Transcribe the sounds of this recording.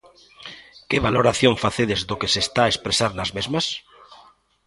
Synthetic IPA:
keβaloɾaθjoɱfaθeðezðokesest̪aːespɾesaɾnazmezmas

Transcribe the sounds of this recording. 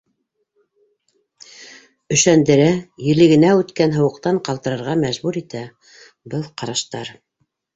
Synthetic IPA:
ɵ̆ʃænd̪ɘ̆ɾæjɘ̆lɘ̆ɡɘ̆næʉt̪kænɦɤ̆wɤ̆qt̪ɑɴqɑlˠt̪ɤ̆ɾɤ̆ɾʁɑmæʒbuɾit̪æ | bɤlˠqɑɾɑʃt̪ɑɾ

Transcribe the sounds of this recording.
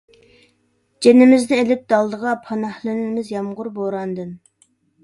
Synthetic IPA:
d͡ʒenɪmɪznɪelɪp̚d̪̥ɑlˠd̪əʁɑpʰɑnɑhlˠynnɪmɪzjɑmʁʊɾboɾɑnd̪ɨn

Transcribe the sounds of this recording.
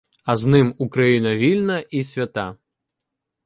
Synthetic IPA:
ɐznɨmukɾajinɐvʲilʲnɐʔisʲvʲat̪a

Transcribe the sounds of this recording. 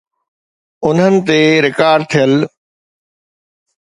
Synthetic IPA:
ʊn̤ɦənɪ̆t̪eɾɪkaːɾɖ̚t̪ʰijəl

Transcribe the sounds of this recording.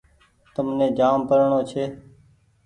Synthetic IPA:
t̪əmnẽːd͡ʒaːmpəɾɳoːt͡ʃʰeː

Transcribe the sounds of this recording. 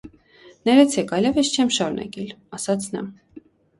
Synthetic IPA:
nɛɾɛt͡sʰɛkɑjlɛvɛst͡ʃʰɛmʃɑɾunɑ̰kɛlɑsɑt͡sʰnɑ̰

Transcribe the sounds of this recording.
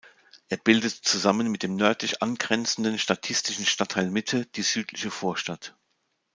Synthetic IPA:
ʔeːɐbɪldətt͡suzamənmɪt̚d̥eːmnœɐtlɪçʔanɡʁɛnt͡sn̩dən̩ʃtatʰɪstɪʃn̩ʃtatʰaɪlmɪtʰəd̥iːz̥yːtʰlɪçəfoːɐʃtat

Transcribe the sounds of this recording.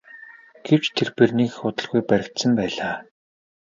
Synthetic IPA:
ɡ̥ew̥t͡ɕt̪ʰerperniːkxʊt̪ə̆ɮɣujpæɾʲɪ̆kt̪sə̆mpæːɮaː

